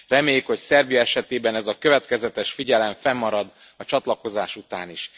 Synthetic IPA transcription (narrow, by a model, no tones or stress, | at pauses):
rɛmeːjikho̞csɛrbijɒɛʃɛt̪eːbɛnɛzɒkøvɛt̪kɛzɛt̪ɛʃfiɟɛlɛɱfɛmːɒɾɒd̪ | ɒt͡ʃɒt̪lɒko̞zaːʃut̪a̰ːniʃ